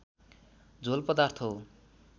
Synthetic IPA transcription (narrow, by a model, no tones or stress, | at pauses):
d͡zolpʌd̪art̪ʰo